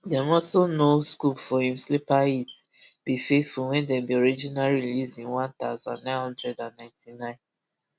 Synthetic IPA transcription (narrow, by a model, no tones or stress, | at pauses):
dɛ̃mɔsonoskupfɔhĩmslipait | b̥ifeθfulwɛ̃ndɛ̃mbiɔɹid͡ʒinaɹiilizĩnwãnt̪aʊzã̰nːãɪ̃nhɔ̃ndɹɛdãnːãɪ̃ntʰinãɪ̃n